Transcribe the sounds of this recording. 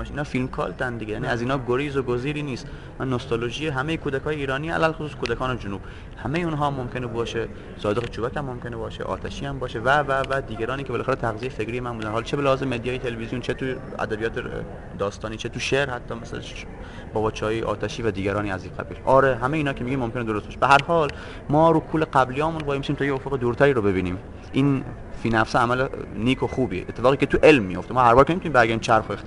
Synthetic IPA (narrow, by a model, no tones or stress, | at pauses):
ʃiːnɒːfilmkʰɒ̰ːlt̪ʰænd̪iɡejæːniːæziːnhɒːɡoɾiːzoɡoziːɾiːniːst̪ | mænːost̪oloʒijeɦæmejekʰuːd̪ækʰɒːjeiːɾɒːniːæ̰lælxosuːskʰod̪ækʰɒːned͡ʒonuːb̥ | hæmejeunɦɒːmːomkʰʲe̞nebɒːʃe | sɒːd̪eɣet͡ʃʰuːbækʰæmːomkʰʲe̞nebɒːʃḛʔɒ̰ːt̪ʰæʃiːæmbɒːʃevævævæd̪iːɡæɾɒːniːkʰelæːxæɾet̪ʰæɣzijejefekɾiːjemænmbuːd̪ænhɑlt͡ʃʰebelæhɒːzemed̪ijɒːjet̪ʰelevizijont͡ʃʰet̪ʰu | æ̰d̪æbijɒːt̪ʰe | d̪ɒːst̪ɒːniːt͡ʃʰet̪uʃeɾhæt̪ʰːɒːmes | bɒːbɒːt͡ʃʰɛːjeʔɒ̰ːt̪ʰæʃiːvæd̪iːɡʲæɾɒːniːæziːqæ̰biːlʔɒːɾeɦæmejiːnɒːkʰemiɟiːmːomke̞ned̪oost̪̚ɒʃebeɦæɾhɒːl | mɒːɾukʰuːleɢæblijːmunvɒːjemisiːmt̪ʰːjeofoɣed̪uːɾt̪ʰæɾiːɾobe̞biːniːm | ʔiːn | fiːnæfsɒæmæleniːkʰo̞xuːbiːḛʔet̪ːefɒːɣiːkʰet̪ʰuʔe̞lmːijoft̪emɒːhæɾbɒːɾkʰʲenemit̪nimbæɾɡæɾd̪imt͡ʃʰæɾxoext̪i